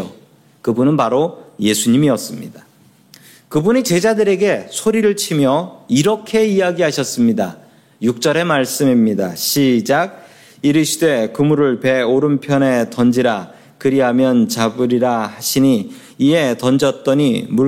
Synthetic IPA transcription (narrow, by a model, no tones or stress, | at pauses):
o | kɯbunɯnpaɾoje̞sʰuɲimiʌs͈ɯmɲida | kɯbunit͡ɕe̞d͡ʑadɯɾe̞ɡe̞sʰoɾiɾɯɭt͡ɕʰimjʌiɾʌkʰe̞ijaɡiɦaɕʰʌs͈ɯmɲida | juk̚t͡ɕ͈ʌɾe̞maɭs͈ɯmimɲidaɕʰid͡ʑaɡ̚ | iɾɯɕʰidwe̞kɯmuɾɯɭpe̞oɾɯnpʰjʌne̞tʌnd͡ʑiɾa | kɯɾiɦamjʌnt͡ɕabɯɾiɾahaɕʰiɲiː | e̞tʌnd͡ʑʌt̚t͈ʌɲimuɭ